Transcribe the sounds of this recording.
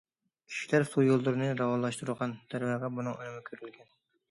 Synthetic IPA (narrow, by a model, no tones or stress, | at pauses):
kʲʰi̥ʃi̥læɾsujolˠd̪uɾɨnɨɾɑwɑlˠɑʃt̪uɾʁɑnd̪̥ʰæɾvæʁɛbunɨŋønɨmɪkʲʰøɾylɡʲɛn